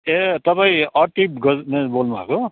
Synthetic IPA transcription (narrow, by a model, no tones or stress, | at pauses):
et̪ʌpãĩʌʈip̚ɡʌnebolnubʱa̰ko